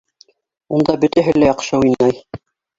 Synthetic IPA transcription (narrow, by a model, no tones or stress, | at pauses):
und̪ɑbɵ̆t̪æɦɘlæjɑqʃɤujnɑj